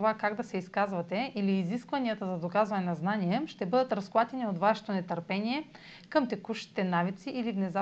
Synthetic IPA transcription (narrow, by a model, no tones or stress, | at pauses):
ovakaɡd̪ɐsɛiskazvɐt̪ɛiliːziskvɐnijət̪əzɐd̪okazvɐnɛnɐznaniɛʃt̪ɛbɤd̪ət̪ɾɐsklˠat̪ʲɛniot̪vaʃɛ̥t̪onɛt̪əɾpɛniɛ | kɐmt̪ɛkuʃi̥t̪ɛnavit̪siʔilivnɛza